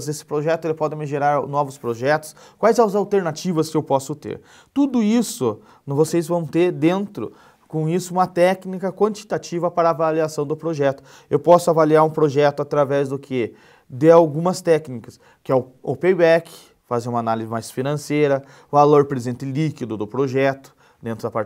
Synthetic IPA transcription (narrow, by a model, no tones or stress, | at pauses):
zesɪ̥pɾoʒɛt̪ʊelɪpɔd̪ɪ̃mɪʒeɾaɾnɔvʊspɾoʒɛt̪ʊ̥skwajzãʊzawt̪eɾnat͡ʃivɐskɪewpɔsʊt̪ḛɾ | t̪ud̪ʊisʊ | nvosejzvɐ̃w̃t̪eɾd̪ẽnt̪ɾʊ̰ | kõisʊũmɐt̪ɛknikɐkwɐ̃nt͡ʃi̥t̪at͡ʃivɐpaɾɐaːvaliasɐ̃w̃d̪ʊpɾoʒɛt̪ʊ̥ | ewpɔsʊavaliaɾũpɾoʒɛt̪ʊat̪ɾavɛzd̪ʊkʰɪ | d̪ɪawɡũmɐst̪ɛknikɐs | kɪɛʊopejbɛk | fazeũmanalizɪmajsfinɐ̃sejɾɐ | valoɾpɾezẽnt̪ɪlikid̪ʊd̪ʊpɾoʒɛt̪ʊ̥ | d̪ẽnt̪ɾʊd̪ɐpa